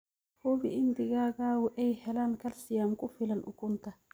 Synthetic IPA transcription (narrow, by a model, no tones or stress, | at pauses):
hoːbɪʔɪnd̪ɪɡaːɡaːwʊʔɛjhɛlaːŋkɐlsɪjaːmkʊfɪlɐnʔʊ̰kʊnt̪ɐ